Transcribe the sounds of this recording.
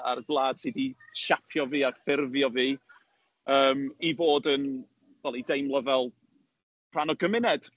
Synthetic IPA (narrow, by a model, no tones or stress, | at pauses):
a̰rɡlˠaːd̥siːdiʃapʰjɔviːafɪrvjɔviː | əːmivoːdən | vɛlˠidejmlˠəvɛlˠ | pʰr̥anɔɡəmɪnɛd̥